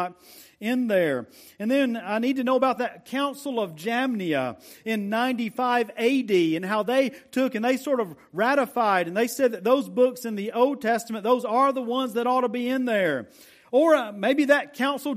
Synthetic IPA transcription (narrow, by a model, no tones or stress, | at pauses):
ɾɪ̃nðə˞ | ɨ̃nðɨ̃naɪnid̚tɨnoʊəbaʊt̪̚ðɨt̚kʰãʊ̃nsl̩ˠʌvd͡ʒæmniə̰ɪ̃nːãɪ̃ntifaɪveɪdiɨ̃nɦaʊðeɪtʰʊkɨ̃nðeɪsɔɹɾʌv | ɹæɾəfaɪɾɨ̃nðeɪsɛd̪̚ðɨt̪̚ðoʊzbʊksɨ̃nðioʊlˠd̚tʰɛstəmɨ̃nðoʊzə˞ðəwʌ̃nzðɨɾɔtəbiɪ̃nðə˞ | ə˞meɪbiðɨt̚kʰãʊ̃nsl̩ˠ